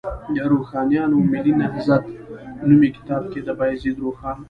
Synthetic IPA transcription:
d̪əɾoxɑnjɑnomɪlinahzat̪numikɪ̥t̪ɑːb̚ked̪əbɑjzid̪ɾoxɑːn

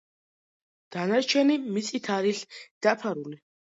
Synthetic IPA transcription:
d̪̥anaɾt͡ʃʰɛnimit̪sʼit̪ʰaɾiɬd̪̥apʰaɾuli

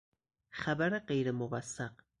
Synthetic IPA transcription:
xæbæɾeɢejɾemovæsːæq

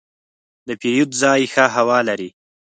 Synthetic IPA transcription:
d̪əpejut̪zɑjxaɦawɑlaɾi

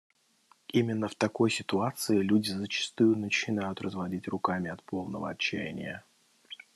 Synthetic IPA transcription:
imʲɪnːəft̪ɐko̞jsʲɪt̪ʊat̪sɨɪlʲudʲɪzət͡ɕɪ̥st̪ujʊnət͡ɕɪnajʊt̪rəzvɐdʲitʲrʊkamʲɪɐt̪pʰo̞lˠnəvə̰ɐt͡ɕːæ̰ɪnʲɪ̰jə

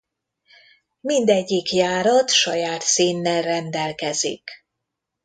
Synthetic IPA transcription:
mind̪ɛɟːikjaːɾɒt̪ʃɒjaːt̪siːnːɛlrɛnd̪ɛlkɛzḭk

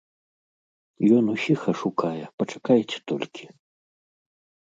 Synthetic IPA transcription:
jɔnusʲixɐʂukajɛpɐt͡ʂakajt͡sʲɛ̥t̪ɔlʲkʲi̥

